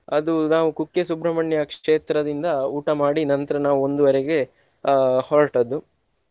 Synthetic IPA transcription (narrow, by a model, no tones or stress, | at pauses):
ɐd̪unaːʋukukːesubɾɐmɐɳjɐkʂeːt̪ɾɐd̪ind̪ɐuːʈɐmaːɽinɐnt̪ɐɾɐnaːʋuo̞nd̪uʋɐɾɛɡe̞ | hɔɾɐʈɐd̪u